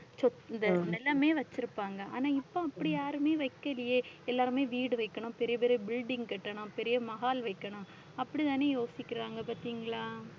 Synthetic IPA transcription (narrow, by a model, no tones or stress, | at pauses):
t͡ʃɔt̪nd̪ɐnɛlːɐmeːʋɐt͡ʃːɪɾɯpːaːŋɡɐʔa̰ːnaːɪpːõɐpːɐɽijaːɾɯmeːʋɐɪkːɐlɪjeːɛlːaːɾɯmeːʋiːɽɯʋɐɪkːɐɳʊ̃pɛɾɪjɐpeːɾijɐbɪlɖɪŋɡkɛʈːɐɳʊ̃pɛɾɪjɐmɐɣaːlʋɐɪkːɐɳʊ̃ | ɐpːɐɽit̪aːneːjoːsɪkʲːɪɾaːŋɡɐpaːɾt̪iːŋɡɐɭaː